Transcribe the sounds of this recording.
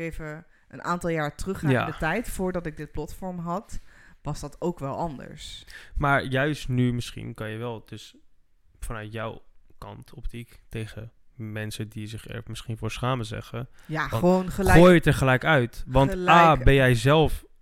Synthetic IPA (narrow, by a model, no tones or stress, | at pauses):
ejvə | ʔənʔa̰ːntɑlˠjaːɹtrɵχja̰ːdətɛjtfʊːɹdɑtɪɡ̚dɪt̚plɑtfɔɹmɦɑtʋɑzdɑtowkʋɛlˠɑndə̰ɹsmaːɹjœɥstnymɪsχḭnkɑnjəʋɛlˠd̥ɵs | fɑnœɥtjɔwkɑ̰ntɔptiktejχə | mɛnsədizɪχɛ̰ɹmɪsχinvʊːɹsχaːməzɛ̰χəjaəonχəoːjətəɹχəlɛjkœɥtʋɑnlabɛnjɛjzɛlˠf